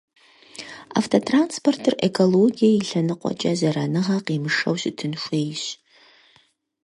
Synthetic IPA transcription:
a̰ftʰotʰranspʰortʰɨrekʰoloɡijaiɬɐnɨqʷʼɔ̰t͡ʃʼɐzɐɾɐnɨʁɐqimɨʂɐ̰wɕɪtʰɨnʃʷeːjɕ

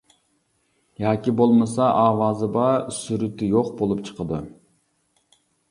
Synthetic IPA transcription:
jɑːkʲibolˠmɨsɑʔɑːwɑːzɨbɑsyɾyt̪ɪjoqbolˠupt͡ʃʰə̥qəd̪u

